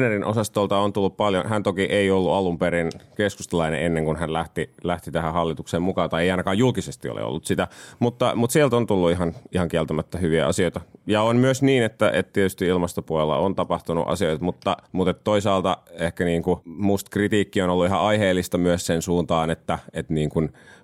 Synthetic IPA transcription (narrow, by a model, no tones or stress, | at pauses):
nerinʔo̰sɑst̪olt̪ɑont̪ulːuppɑljonhænt̪okiʔeiolːuɑlumpeɾinkeskust̪elɑinḛenːeŋkunhænlæht̪ilæht̪it̪æhæhɑlːit̪ukseːmukɑːnt̪ɑieˑiɑinɑkɑːjjulkisest̪io̰lḛo̰lːut̪sit̪æmut̪ːɑmut̪sielt̪ont̪ulːuiɦɑnihɑŋkiɛlt̪æmæt̪ːæhyʋiæ̰ɑ̰sioit̪ɑjɑonmyøsniːnet̪ːæʔḛt̪t̪iet̪yst̪iilmɑst̪opuolelːɑ̰ont̪ɑpɑht̪unṵʔɑ̰sioit̪ɑmut̪ːɑmut̪et̪t̪ːoisɑːlt̪ɑehkæniːŋkumust̪krit̪iːkːionolːuiɦɑɑiheːlːist̪ɑmyøssensuːnt̪ɑːnet̪ːæet̪niːŋkun